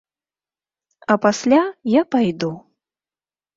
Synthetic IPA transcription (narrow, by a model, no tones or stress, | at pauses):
ɐpasʲlʲajapajd̪u